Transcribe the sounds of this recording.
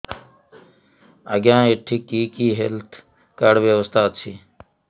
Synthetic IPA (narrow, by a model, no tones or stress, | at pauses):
əɡjãːiʈʰːikiːkiːɦelt̪ʰ | kəɽʋjeʋəst̪aːt̪t͡ɕʰi